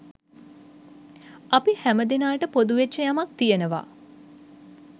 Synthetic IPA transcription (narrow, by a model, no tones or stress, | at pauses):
apihæməd̪inaːʈəpod̪uʋet͡ʃːəjamak̚t̪ijənəʋa̰